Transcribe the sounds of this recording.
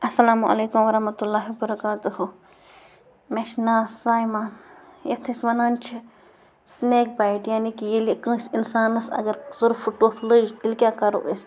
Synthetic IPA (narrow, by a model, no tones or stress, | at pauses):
ɐsːɐlaːmuʔɐ̰leːkumʋɐɾɐɦmɐt̪ulːaːɦiwɐbɐɾɐkaːt̪uɦu | meʃnaːszaːjmãːjɐt̪ʰisʋɐnaːnt͡ʃʰi | sneːk̚bajʈjaːnikijelikɨ̃ːsinsaːnɐsɐ̰ɡɐɾzʊɾfuʈoːfʰləd͡ʒd̪ilkʲjaːkɐɾo̰ʔes